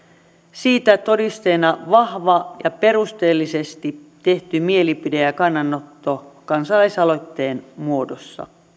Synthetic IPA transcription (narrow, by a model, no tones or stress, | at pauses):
siːt̪æt̪o̞dist̪eːnɑʋɑhʋɑjɑpe̞rust̪eːlːisest̪it̪e̞ht̪ymielipideækɑnːɑnːot̪ːokɑnsɑlɑisɑlo̞t̪ːe̞ːnmuo̞dosːɑ̰